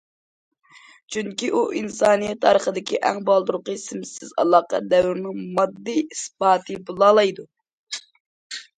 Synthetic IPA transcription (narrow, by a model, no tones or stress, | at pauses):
t͡ʃʰyŋkʲiʔuʔinsɑːnijɛt̪ʰːɑːɾəχəd̪ɪkʲiʔæŋbɑlˠd̪uɾʊqəsɪmsɪzɑ̰lˠɑːqɑ̰d̪ɛwyɾnɪŋmɑd̪ːijisbɑːt̪ʰɨbulˠɑːlˠɑjd̪u